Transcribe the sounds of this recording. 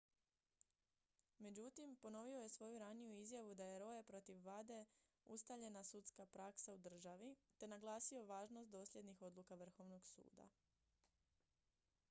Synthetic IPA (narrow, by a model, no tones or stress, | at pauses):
me̞d͡ʑut̪impo̞no̞ʋio̞jesʋo̞juɾanijuizjaʋud̪ajeɾo̞jepɾo̞t̪iʋːad̪e̞ | ust̪aʋʎe̞nasut̪skapɾaksaud̪r̩ʒaʋit̪e̞naɡlˠaːsio̞ʋaːʒno̞st̪d̪o̞ːslʎje̞d̪nixo̞d̪lukaʋr̩xo̞ʋno̞ɡsṵːd̪a̰